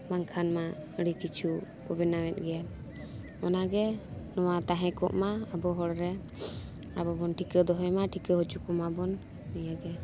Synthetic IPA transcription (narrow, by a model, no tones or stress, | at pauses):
baŋkʰanmaəɽikit͡ʃʰu | kɔbɛnawɛt̪̚ɡɛja | ɔnaɡɛnɔwat̪aɦɛ̃kɔ̰ʔmaəbɔɦɔɽɾɛ | abɔbɔnʈʰikəd̪ɔɦɔjmaʈʰikəɦɔt͡ʃukɔmabɔnː | ɛjaɡɛ